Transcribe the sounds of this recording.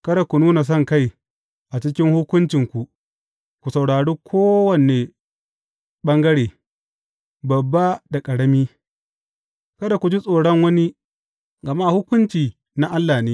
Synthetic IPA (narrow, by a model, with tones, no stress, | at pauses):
kɐ˦da˨kʷu˨nuː˦na˨s̬ɔ˦˨ŋka˦˨j | ʔa˨t͡ʃɪ˦kʲɪ˦ŋhʊ˦kʷʊ˦nt͡ʃɪ˨ŋkʷu˨ʔ | kʷu˨sa˨wɽaː˨ɽeː˦kʷʰoː˦wɐ˨neː˨ | ɓɐ˦ŋɡɐ˦ɽeː˨ | bɐ˨bːa˦da˨kʼɐ˨ɽɐ˦miː˦ | kɐ˦da˨kʷu˨d͡ʒi˦sʼoː˨ɽɐ˦ŋwɐ˦ni˦ | ɡɐ˨ma˦˨hʊ˦kʷʊ˦nt͡ʃiː˨ | na˦ʔa˦lːaː˨neː˦